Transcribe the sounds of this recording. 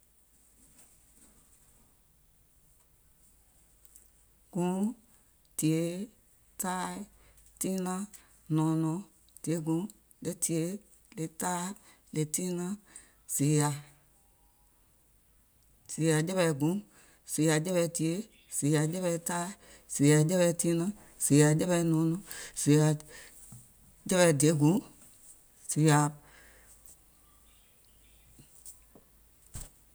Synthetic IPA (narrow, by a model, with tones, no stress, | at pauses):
ɡ̥ũ˨˦ | ti˨e˨˦ | taː˦ | tĩ˦nã˦ | nɔ̃˨˦nɔ̃˧˦ | d̥i˨e˨˦ɡũ˧˦ | le˦ti˨e˨˦ | le˨taː˦ | le˨tĩː˦nã˦ | z̥e˨ja˨ | si˨ja˨d͡ʒɛ˦bɛ˧˨ɡũ˨˦ | si˨ja˨d͡ʒɛ˦bɛ˧ti˨e˦ | si˨ja˨d͡ʒɛ˦bɛ˧ta˦ | si˨ja˨d͡ʒɛ˦bɛ˧ti˦nã˦ | si˨ja˨d͡ʒɛ˦bɛ˧nũ˨˦nũ˦si˨ja˨ | d͡ʒɛ˦bɛ˨de˦ɡũ˨˦ | si˨ja˨